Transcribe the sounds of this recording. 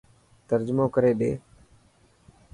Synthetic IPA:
t̪əɾd͡ʒmoːkəɾeːɗḛː

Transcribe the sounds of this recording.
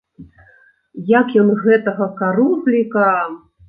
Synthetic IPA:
jakjɔnɣɛt̪ɐɣɐkaɾublʲika

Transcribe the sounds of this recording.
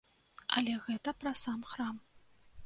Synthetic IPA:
ɐ̰lʲɛɣɛt̪ɐpɾɐsamxɾam

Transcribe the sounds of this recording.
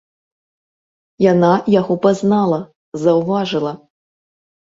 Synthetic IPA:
janajaɣɔpaznalˠɐ | zɐwvaʐɨlˠɐ

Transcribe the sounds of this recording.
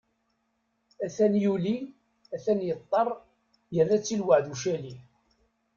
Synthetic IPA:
æθænjuli | æθænjət̪ˤːɑrˤ | jərːæt͡sːilwəʕðuʃæli

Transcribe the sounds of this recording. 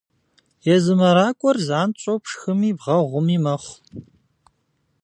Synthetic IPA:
jɛzɨmɐɾaːkʷʼɔrzʕaːnt͡ʃʼopʂxɨmiːbʁɐʁʷʊmiːmɐχʷ

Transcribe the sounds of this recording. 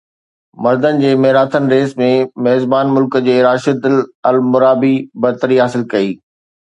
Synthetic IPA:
mɐɾd̪ənɪ̆d͡ʑeːmeɦɾaːt̪ʰənɪ̆ɾeːsmẽmɐɦzbaːnmʊlkd͡ʑeːɾaːʃəd̪ɪlɐlmʊɾaːbibɐɾt̪əɾiɦaːsɪlkɐiː

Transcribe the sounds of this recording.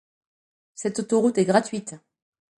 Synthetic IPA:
sɛt̪ot̪oʁut̪ɛɡʁat̪ɥit̪

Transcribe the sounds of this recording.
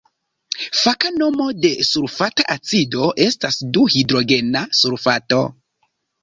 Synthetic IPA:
fakano̞mo̞de̞suɾfataʔat͡sido̞ʔe̞stasduhidɾo̞ɡe̞nasuɾfato̞

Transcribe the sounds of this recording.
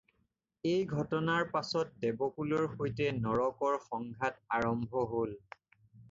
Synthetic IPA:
ejɡʱɔtɔnaɹpasɔt̚dɛbɔkulɔɹxojtɛnɔɹɔkɔɹxɔŋɡʱataɹɔmbʱɔɦol

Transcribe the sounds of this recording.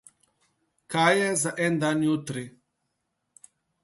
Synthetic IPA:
kajɛzaʔɛnd̪aːnjut̪ɾi

